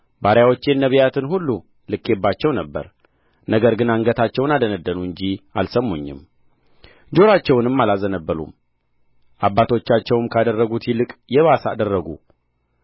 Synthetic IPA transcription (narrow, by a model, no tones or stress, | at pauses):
baɾjawo̞t͡ʃːɛnːəβijat̪ʰɨnɦulːu | lɨkːebːat͡ʃːɛwnəbːə̰ɾ | nəɡəɾɡɨnaŋɡət̪ʰat͡ʃːɛwnad̪ənəd̪ːənuɨɲd͡ʒialsəmːuɲːɪ̰m | d͡ʒo̞ɾat͡ʃːɛwnɨmːalazənəbːəlṵm | ʔabːat̪ʰo̞t͡ʃːat͡ʃːɛwɨmkʰad̪ərːəɡut̪ʰjilɨkʼjɛβasa̰d̪ərːəɡṵ